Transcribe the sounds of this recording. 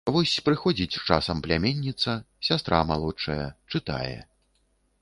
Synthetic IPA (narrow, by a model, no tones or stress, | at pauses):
vɔsʲpɾɨxɔd͡zʲit͡sʲt͡ʂasɐmplʲamʲenʲːit̪sɐ | sʲast̪ɾamalˠɔt͡ʂɐjɐt͡ʂɨt̪a̰jɛ̰